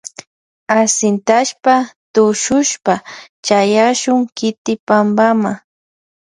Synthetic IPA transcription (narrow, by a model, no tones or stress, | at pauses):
asɪnt̪aʃpat̪ʊʃʊʃpa | t͡ʃajaʃʊŋkɪt̪ɪpambama